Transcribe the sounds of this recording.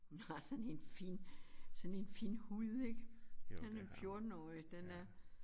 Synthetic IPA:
hunhɑ̈sɒ̽ne̝nfḭnsɔ̽ne̝nfḭːnhuð̰ˠe̝ɡ̥hænæfjo̝ɐd̥n̩ɒ̰ːɪd̥enæɐ

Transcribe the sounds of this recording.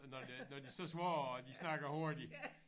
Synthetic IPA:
nɒdnɒd̥isɒsʋɒːd̥isnɑ̈ɡ̥ɐhoɐ̰d̥i

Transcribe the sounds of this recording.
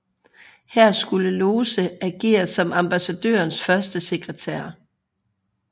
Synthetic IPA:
hæɐ̰sɡ̥uləloːsəæɡ̥e̝̰ːɐsɒ̽mɑ̈mb̥æsæd̥ø̰ːɐnsfɶɐsd̥əse̝ɡ̥ʁət͡sʰḛɐ̰

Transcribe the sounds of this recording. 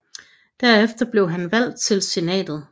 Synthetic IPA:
d̥æɐefd̥ɐb̥le̝ʊɦænʋæl̰d̥̚t͡sʰe̝lse̝nɛ̰ːd̥ð̞̩ˠ

